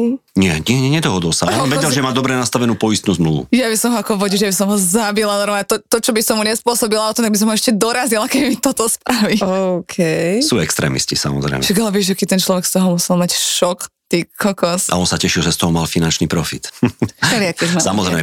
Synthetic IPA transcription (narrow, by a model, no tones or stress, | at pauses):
ɲɪɛɲɪɛɲɛɲɛd̪ɔɦɔd̪ɔlsaɔnʋɛɟɛlʒɛmaːd̪ɔbɾɛnast̪aʋɛnuːpɔist̪nuːzmluʋṵjabisɔmɦɔakɔʋɔɟiʒjabis̬ɔmɦɔzabilaɔɾɔat̪ɔt̪ɔt͡ʃɔbisɔmmuɲɛspʊɔsɔbilaɔt̪ɔmt̪aɡbisɔmɦɔɛʃcɛd̪ɔɾazilakɛbimit̪ɔt̪ɔspɾaʋiɔkʰɛjssuːɛkst̪ɾɛ̰ːmḭscisa̰mɔ̰zɾɛ̰ɪmɛʃaɡalɛʋɪɛʒakiːt̪ɛnt͡ʃlɔʋɛkst̪ɔɦɔmusɛlˠmacʃɔkt̪ikʰɔkɔsʔa̰ɔnsacɛʃilʒɛst̪ɔɦɔmalfinant͡ʃniːpɾɔfḭt̪ʃɛlɪakɛʒmasamɔzɾɛɪmɛ